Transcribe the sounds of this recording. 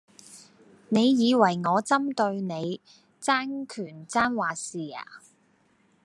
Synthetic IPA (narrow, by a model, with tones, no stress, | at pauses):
ne˨˧jjiː˨˧wɐ˨˩jŋɔː˨˧t͡sɐ˥mt̪ɵ˧ɥne˨˧j | t͡saː˥nkʰyː˨˩nt͡saː˥nwaː˨siː˨˩a̰ː˨˩